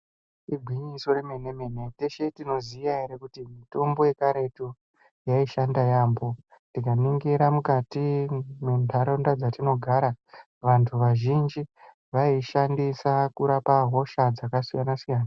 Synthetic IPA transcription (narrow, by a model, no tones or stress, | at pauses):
iɡʱwiɲiso̞reme̞nemene̞teʃe̞tino̞ziaeɾekutimito̞mbo̞je̞kaɾe̞to | jaiʃandajaːmbo̞ | ntdikaniŋɡiɾamukatimendʱaɾondad͡zatino̞ɡʱaɾa | ʋantʰuʋaʒind͡ʒi | ʋaiʃandisakuɾapaɦo̞ʃad͡zakasijanasijaːna